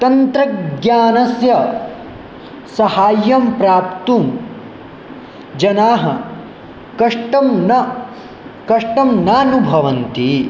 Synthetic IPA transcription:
t̪ɐnt̪ɾɐɡjaːnɐsjɐ | sɐhaːjɐmpɾaːpt̪um | d͡ʒɐnaːɦɐ | kɐʂʈɐmnɐ | kɐʂʈɐmnaːnubʱɐʋɐnt̪i

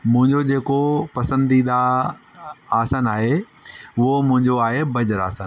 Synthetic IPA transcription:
mʊ̃ɦɪ̃ɲd͡ʑod͡ʑeːkopɐsə̃nd̪iɗ̪a | aːsanaːɦe | ʊɦomʊ̃ɦɪ̃ɲd͡ʑoaːɦebɐd͡ʑəɾa̰ːsaːn

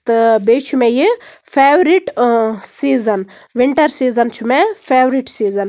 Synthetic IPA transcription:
t̪ɨbeːt͡ʃʰumẽji | pʰeːʋɾiʈsiːzɐn | ʋiɳʈɐɾsiːzɐnt͡ʃʰumepʰeːʋɾiʈsiːzɐn

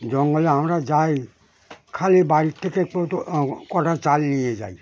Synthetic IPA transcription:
d͡ʒɔŋɡɔlɛɦamɾad͡ʒaj | kʰalibaɾit̪ʰːeke | kɔʈʰat͡ʃalnijed͡ʒa̰j

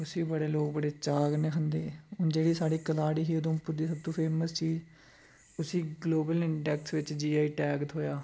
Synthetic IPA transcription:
ʊsiːbəɽeːloːk̚bəɽeːt͡ʃaːɡnẽːɦʰənd̪eːʊnd͡ʒeːɽiːsaːɽiːkəlaːɽiːɦiːod̪õːpʊɾd̪iːsəb̚t̪õːpʰeːməst͡ʃiːd͡ʒ | ʊsĩːɡloːbəlɪɳɖɛːksʋɪt͡ʃd͡ʒiːaːiːʈɛːɡt̪ɦoːjaː

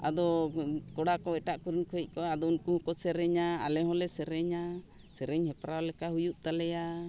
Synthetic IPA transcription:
a̰d̪ɔkɔɽakɔɛʈaʔkuɾinkʰɔic̚kɔad̪ɔunkuhukɔsɛɾɛɲaa̰lɛɦɔ̃lɛsɛɾɛɲa | sɛɾɛɲhɛpɾalɛkahujuʔt̪alɛja

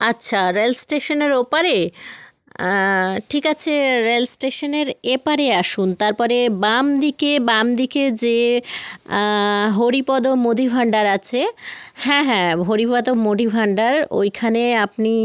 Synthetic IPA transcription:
aːɕʰaɾelsʈeʃoneɾopaɾe | ʈʰikat͡ɕʰeɾelsʈeʃoneɾepaɾeaʃunt̪aɾpɔɾebamd̪ikebamd̪iked͡ʑe | ɦoɾipɔd̪omod̪ʱibʱaɳɖaɾat͡ɕʰehɛ̃ɦɛ̃ɦoɾipɔd̪omod̪ʱibʱaɳɖaɾo̰jkʰaneap̚ni

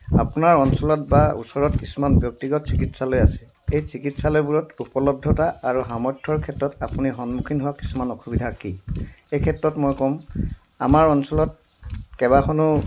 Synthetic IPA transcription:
a̰punaɹɔnsɔlɔtbaṵsɔɹɔtkisumanbjɔk̚tiɡɔtsikitsalojasɛ̥ | ejsikitsalojbuɹɔtupɔlɔb̚dʱɔtaaɹuɦamɔtʰːɔɹkʰɛtɹɔtapuniɦɔnmukʰinɦʊwaki̥sumanɔxʰubidʱakiejkʰɛtɹɔtmojkɔm | a̰maɹɔnsɔlɔt̚ | kɛbakʰɔnʊ

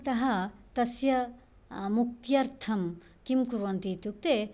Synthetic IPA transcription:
t̪ɐɦɐt̪ɐsjɐ | muk̚t̪jɐɾt̪ʰɐm | kimkuɾʋont̪it̪juk̚t̪e

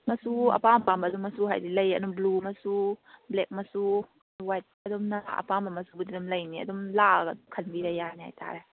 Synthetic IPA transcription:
mɐsuɐ̰pampambɐːduŋmɐsuɦa̰jdilɐjɐ̰dumblumɐsublek̚mɐsu | wajt̚ɐdumna̰ɐ̰pambɐmɐsubudidumlɐjniɐ̰dumlaɡɐdukʰɐnbiɾajajniɦa̰jtʰa̰ɾe

